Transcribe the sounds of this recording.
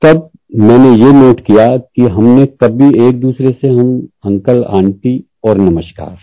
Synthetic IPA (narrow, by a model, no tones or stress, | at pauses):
t̪ɐb̚ | mɛ̃ːnejenoːʈkijakiɦɐmnekɐbʱieːk̚d̪uːsɾeseɦɐmɐ̃ŋkəlã̰ːɳʈi | ɔːɾnɐməʃka̰ːɾ